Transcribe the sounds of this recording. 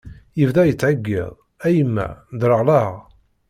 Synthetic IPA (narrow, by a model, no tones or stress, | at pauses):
jəvðæjət͡sːʕəɡːḭðˤ | æjəmːæ̰d̪ɾəʁlɑʁ